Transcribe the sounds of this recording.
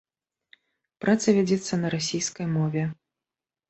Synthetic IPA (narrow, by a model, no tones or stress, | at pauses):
pɾʔat̪sɐvʲad͡zʲɛt̪sːɐnɐɾasʲijskɐjmɔvʲɛ